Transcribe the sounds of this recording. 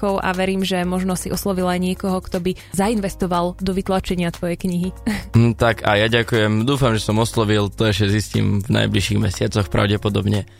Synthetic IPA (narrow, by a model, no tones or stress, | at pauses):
ɔʊʔa̰ʋɛɾiːmʒɛmɔʒnɔsiʔɔslɔʋilajɲɪɛkɔɦɔkt̪ɔbi | zainʋɛst̪ɔʋalˠd̪ɔʋit̪lat͡ʃɛɲɪat̪ʋɔjɛjkɲiɦit̪aka̰jaɟakujɛmd̪uːfamʒɛsɔmɔslɔʋilˠt̪ɔɛʃcɛziscḭmvna̰jbliʃiɣmɛ̰sɪat͡sɔxpɾa̰ʊɟɛpɔd̪ɔbɲɛ